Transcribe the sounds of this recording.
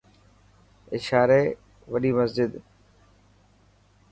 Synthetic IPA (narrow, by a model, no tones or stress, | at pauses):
ɪʃaːɾe | ʋɐɗiːməzd͡ʒɪd̪